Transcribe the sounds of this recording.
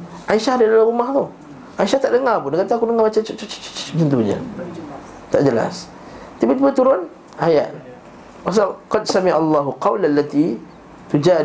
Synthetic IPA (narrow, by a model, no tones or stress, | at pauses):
ʔaiʃahdadalaɾumaht̪ʊh | ʔaiʃaht̪aʔdəŋapʊndəŋant̪akudəŋamat͡ʃat͡ʃat͡ʃot͡ʃt͡ʃt͡ʃt͡ʃt̪ənt̪̬uɲa̰ | t̪aʔd͡ʒəla̰s | t̪ibat̪ibat̪uɾʊn | ʔaja̰ʔ̪ | was̬alqɑd̪samiʕalːaɦuqɑwlalːat̪i | t̪ud͡ʒa